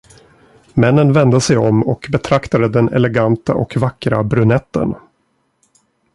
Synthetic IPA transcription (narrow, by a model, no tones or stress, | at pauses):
mɛnːənvɛnd̪əsɛjɔmɔkbɛt̪ʰɾakt̪ad̪əd̪ɛnɛ̰lɛɡant̪aʔɔkvakːɾa̰bɾɵnɛt̪ːə̰n